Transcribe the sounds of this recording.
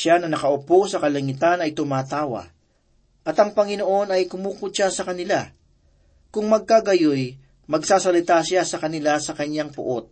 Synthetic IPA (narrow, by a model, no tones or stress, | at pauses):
anɐnɐkɐʔʊposɐkɐlɐŋɪt̪anɐjt̪ʊmaːt̪aːwɐ̰ | ʔɐt̪ɐŋpɐŋɪno̞ʔo̞nɐjkʊmuːkʊʃasɐkɐnɪla | kʊŋmɐɡ̚kaɡɐjoj | mɐɡsaːsɐlɪt̪aʃasɐkɐnɪlasɐkɐɲːaŋpʊ̰ʔot̪̚